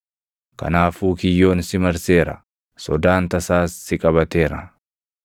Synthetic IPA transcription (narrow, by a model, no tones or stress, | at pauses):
kɐ̰naːfuːkɪjːo̞ːnsɪmɐɾse̞ːɾɐ̰ | sɔd̪aːnt̪ɐsaːsːɪkʼɐβɐt̪e̞ːɾɐ